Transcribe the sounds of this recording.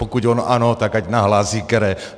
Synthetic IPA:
pokuconoʔanot̪akacnaɦlazikɛɾɛ

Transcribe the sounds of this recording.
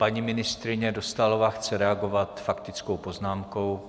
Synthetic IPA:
paɲimɪnɪst̪ɾɪɲɛdost̪alovaːxt͡sɛɾɛaɡo̞vat̪fakt̪ɪt͡skowpo̞znaːmko̞w

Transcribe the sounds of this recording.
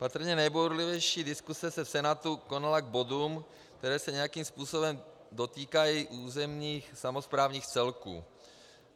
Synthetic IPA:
pat̪r̩ɲɛnɛjboɾlivɛjʃiːdɪskusɛsɛfsɛnat̪uko̞nalaɡ̚bo̞duːm | kt̪ɛɾɛːsɛɲɛjakiːmspuːso̞bɛm | do̞t̪iːkajiʔuːzɛmɲiːxsamospɾaːvɲiːxt͡sɛlkṵː

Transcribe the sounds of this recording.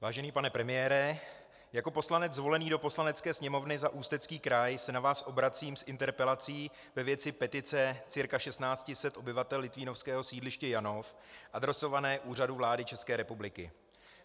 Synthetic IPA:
vaːʒɛniːpanɛpɾɛmɪjɛːɾɛ | jako̞po̞slanɛd͡zzvo̞lɛniːdo̞po̞slanɛt͡skɛːsɲɛmo̞vnɪzaʔuːst̪ɛt͡skiːkɾajsɛnavaːsʔo̞bɾat͡siːmsʔɪnt̪ɛɾpɛlat͡siː | vɛvjɛt͡sɪpɛt̪ɪt͡sɛt͡sɪɾkaʃɛst̪naːt͡scɪsɛt̪ʔo̞bɪvat̪ɛlːɪt̪viːno̞fskɛːɦo̞siːdlɪʃcɛjano̞fʔad̪ɾɛso̞vanɛːʔuːraduvlaːdɪt͡ʃɛskɛːɾɛpublɪkɪ̰

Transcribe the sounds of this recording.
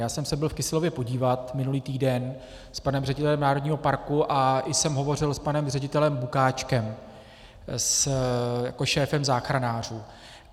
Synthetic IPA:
jaːsɛmsɛbɪlfkɪslo̞vjɛpo̞ɟiːvat̪mɪnuliːt̪iːdɛn | spanɛmrɛɟɪt̪ɛlɛmnaːɾodɲiːɦo̞paɾkuʔaʔɪsɛmɦo̞vo̞r̝ɪlspanɛmrɛɟɪt̪ɛlɛmbukaːt͡ʃkɛm | s | ja̰ko̞ʃɛːfɛmzaːxɾanaːr̝uː

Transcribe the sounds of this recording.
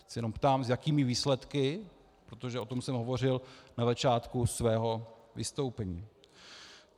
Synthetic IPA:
sɛjɛno̞mpt̪aːmzjakiːmɪviːslɛt̪kɪ | pɾot̪oʒɛʔo̞t̪o̞msɛmɦovo̞r̝ɪlnazat͡ʃaːt̪kusvɛːɦo̞ | vɪst̪o̞wpɛɲiː

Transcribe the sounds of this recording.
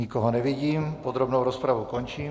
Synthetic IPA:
ikoɦonɛʋiɟiːmpod̪ɾobnowɾospɾaʋukont͡ʃiː

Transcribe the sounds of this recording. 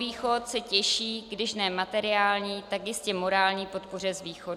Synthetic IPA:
viːxot̪sɛcɛʃiːɡdɪʃnɛːmat̪ɛɾɪaːlɲiːt̪akjɪscɛmo̞ɾaːlɲiːpo̞t̪por̝ɛzviːxo

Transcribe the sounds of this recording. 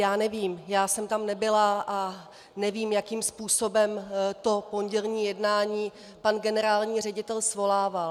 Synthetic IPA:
jaːnɛviːmjaːsɛmt̪amnɛbɪlaʔa | nɛviːmjakiːmspuːso̞bɛmt̪o̞po̞nɟɛlɲiːjɛdnaːɲiː | panɡɛnɛɾaːlɲiːr̝ɛɟɪt̪ɛlsvo̞laːval

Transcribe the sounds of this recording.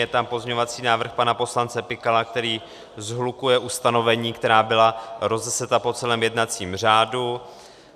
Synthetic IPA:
ɛt̪ampo̞zɲɛɲovat͡siːnaːvr̩xpanapo̞slant͡sɛpɪkalak̚t̪ɛɾiː | zɦlukujɛʔust̪ano̞vɛɲiːkt̪ɛɾaːbɪlaɾo̞zɛsɛt̪apo̞t͡sɛlɛːmjɛdnat͡siːmr̝aːdu

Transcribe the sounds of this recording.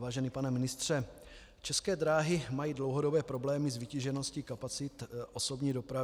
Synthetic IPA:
vaːʒɛniːpanɛmɪnɪst̪r̝̥ɛ | t͡ʃɛskɛːd̪ɾaːɦɪmajiːdlo̞wɦo̞do̞bɛːpɾo̞blɛːmɪzvɪciʒɛno̞scɪkapat͡sɪt̪ʔosobɲiːdo̞pɾa

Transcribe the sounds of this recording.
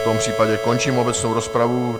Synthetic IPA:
t̪ɔmpr̥iːpaɟɛkɔɲt͡ʃiːmɔbɛt͡snuʊɾɔspɾaʋu

